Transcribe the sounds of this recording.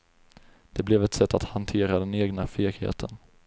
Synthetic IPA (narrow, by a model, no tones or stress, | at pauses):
d̪̥ɛblɛvɛt̪sɛt̪ːat̪hant̪ʰeːɾad̪ɛneːɡnafeːɡhḛːt̪ʰən